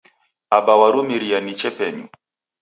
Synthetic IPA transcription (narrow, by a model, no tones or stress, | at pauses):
abawaɾumiɾianit͡ʃɛpɛɲṵ